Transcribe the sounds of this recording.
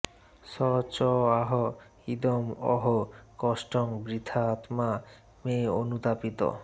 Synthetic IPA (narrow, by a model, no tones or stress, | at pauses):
sɔt͡ɕɔaɦɔ | id̪omɔ̰ɦokɔsʈɔŋbɾid̪ʰʱaːt̪ma | meonut̪apit̪o̰